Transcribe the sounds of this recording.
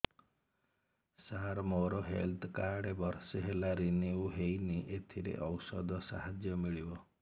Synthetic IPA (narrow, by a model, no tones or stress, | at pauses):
saɾmoɾɔɦḛlt̪ʰkaɖebɔɾseɦelaɾiniuɦejniʔet̪ʰiɾḛʔɔwsɔd̪ɔsa̰ɦad͡ʒjɔmiɭibɔ